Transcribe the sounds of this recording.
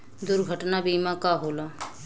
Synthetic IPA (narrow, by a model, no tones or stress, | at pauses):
d̪ʊɾɡʱəʈnaːbiːmãːkaːɦoːlaː